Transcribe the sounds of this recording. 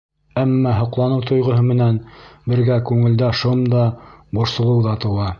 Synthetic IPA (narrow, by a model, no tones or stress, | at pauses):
æmːɑɦŏqlˠɑnɤwt̪ʰŏjʁŏɦɤmɘ̆nænbɘ̆ɾɡækʉŋɘ̆ld̪æʃomd̪ɑbŏɾsɤ̆lˠɤ̆wðɑt̪ɤ̆wɑ